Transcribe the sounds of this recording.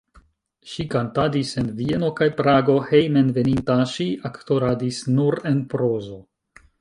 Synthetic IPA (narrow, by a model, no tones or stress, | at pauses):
ʃikantadise̞nvie̞no̞kajpɾaɡo̞hejmenve̞nintaʃiʔakto̞ɾadisnuɾe̞npɾo̞zo̞